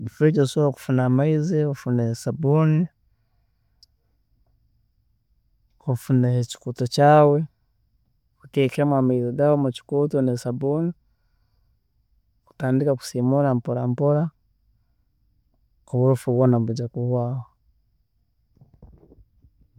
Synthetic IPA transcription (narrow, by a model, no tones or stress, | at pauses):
βifeɟosooku̥funaːmaizeofunehesabuni | kufuneheci̥kutocaːwe̞ | kutekamwamaizeɡaːwomuci̥kuːtonesabuːni | ku̥taːndikaku̥simuɾampoɾampoɾa | kuβuɾufuβonaβuɟakuhwaːwo